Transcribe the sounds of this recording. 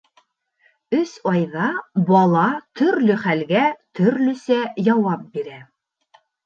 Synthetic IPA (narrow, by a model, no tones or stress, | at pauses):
ɵsɑjðɑbɑlˠɑt̪ɵ̆ɾlɵχælɡæt̪ʰɵ̆ɾlɵ̆sæjɑwɑp̚biɾæ